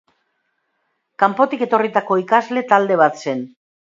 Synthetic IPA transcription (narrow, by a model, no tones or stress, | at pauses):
kampo̞t̪ike̞t̪o̞rit̪ako̞ikazle̞t̪ald̪e̞β̞at̪se̞n